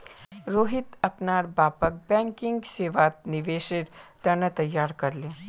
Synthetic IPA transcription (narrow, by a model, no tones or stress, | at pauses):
ɾoɦit̪əpnaɾbapək̚bɛ̃ŋkiŋɡseʋat̪̚niʋeʃiʈ̪t̪janat̪ɐjːaɾkəɾle